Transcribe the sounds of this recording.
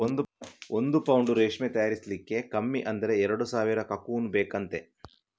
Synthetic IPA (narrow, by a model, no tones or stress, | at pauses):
ond̪uond̪upɐwuɳɖuɾeːʂmet̪ɐjaːɾislikːe̞kɐmːiʔɐnd̪ɐɾe̞ɛɾɐɽusaːʋiɾɐkɐkuːnubeːkɐnt̪e̞